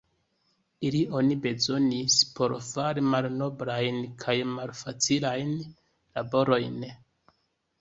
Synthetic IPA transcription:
ilio̞nibe̞zo̞nispʰo̞ɾfaɾimalno̞bɾajnkʰajmalfat͡silajn | la̰bo̞ɾo̞jn

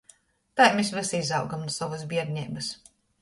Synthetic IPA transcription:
t̪ajmʲesvʲɛsizawɡamnusavɐzbʲiɛɾnʲijbɐs

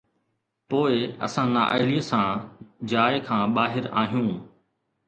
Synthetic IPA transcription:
poːɪɐ̰sãːna̰ːʔə̰ɦliəsãːd͡ʑaːɪkʰãːɓaːɦɪɾa̰ːɦijũː

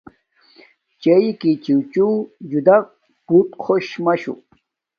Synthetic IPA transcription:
t͡ɕeikit͡ɕiwt͡ɕud͡ʑud̪a | put̪kʰoɕmɐɕṵ

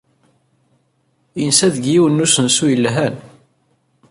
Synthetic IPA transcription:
ənsæðɡjiwənːusənsujəlːɦæn

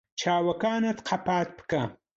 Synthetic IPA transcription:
t͡ʃʰaːwɐkaːnat̪qʰapaːt̪̚pə̥ka

